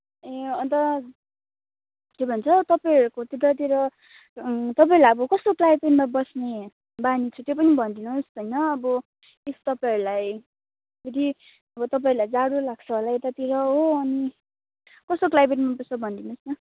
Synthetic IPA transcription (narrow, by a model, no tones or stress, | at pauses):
eʌnt̪ʌ | k̪ebʱʌnt͡sʰʌt̪ʌpaʌɾukot̪iɾʌt̪̬iɾʌ | t̪ʌpaiɾulajʌbʌkʌst̪oklajpenmabʌsne | banit͡sʰut̪jopʌnibʱʌnd̪inust̪ʌjnʌːbʌ | est̪ʌpaʌɾulaj | pʰeɾi | ʌbʌt̪ʌpaiɾulajd͡zaɽulaɡ̚t͡sʰʌɦolajt̪ʌt̪iɾʌɦoʌni | kʌst̪oklajpeʈmabʌsʌbʱʌnd̪inusnʌ